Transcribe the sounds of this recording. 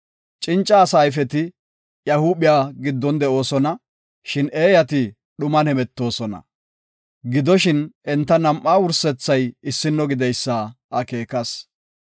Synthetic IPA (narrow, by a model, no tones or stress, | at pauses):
t͡ʃʼɪnt͡ʃʼːɐːsaːjfɛt̪ɪ | jɐhuːbɪjaːɡɪd̪ːɔnd̪ɛo̞ːsɔnɐ | ʃɪneːjɐt̪ɪ | ɗʊmɐnɛmɛt̪ːo̞ːsɔnɐ̰ | ɡɪd̪ɔʃɪnʔɛnt̪ːɐnɐmʔːaːwʊɾsɛt͡sːɐjɪsːɪnːɔɡɪd̪ɛjsːaːʔɐke̞ːkɐs